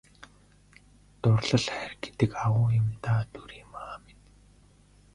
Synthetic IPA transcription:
t̪ʊrɮə̆ɮχærɡ̥e̥t̪ɘ̆kawʊːjʊ̆mt̪aːt̪uɾiːmaːmet̪

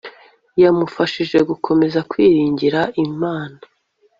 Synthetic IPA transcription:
jamufaʃiʒe̞ɡukʰo̞me̞zakwiːɾiːɲɟiɾaʔimaːna

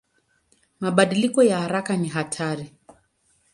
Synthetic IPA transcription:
maɓaɗilikɔjahaɾakaniɦatʰaɾi

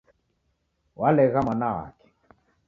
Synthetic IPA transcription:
walɛɣamanawa̰kɛ̥

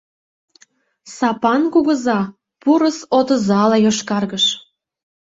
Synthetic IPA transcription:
sɑpɑnkuɣəzɑ | puɾəsot̪ə̆zɑlɑjoʃkɑrɣəʃ

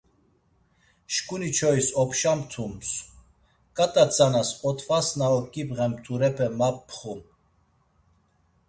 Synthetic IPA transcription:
ʃkʼunit͡ʃʰɔisɔpʰʃamt̪ʰums | kʼat̪ʼat͡sʼanasɔt̪ʰvasnaɔkʼipʁɛmt̪ʰuɾɛpʰɛmapːʰχum

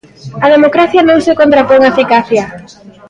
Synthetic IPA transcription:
ɐð̞emokɾaθjanõŋsekont̪ɾapoŋaefikaθja

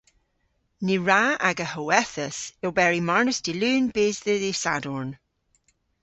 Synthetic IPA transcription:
niɹaa̰ɡəhəwɛθəsɪwbɛɹimaɹnəsd̥ilʉːnbeːzðəðisa̰dɔɹn

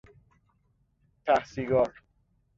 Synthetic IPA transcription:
t̪ʰæhsiːɡɒːɾ

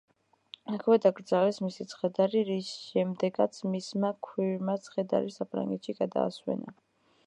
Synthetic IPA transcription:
akʰwɛd̪aɡɾd̪zavɛsmisit̪sʰχɛd̪aɾiɾisʃɛmd̪ɛɡat̪sʰmismakʰwiɾmat̪sʰχɛd̪a̰ɾisapʰɾa̰ŋɡɛt̪ʃiɡad̪a̰ːswɛ̰na̰

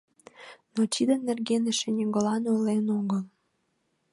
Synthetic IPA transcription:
not͡ɕid̪ənːerɣenĕʃĕnʲiɡolɑnolenoɣəl

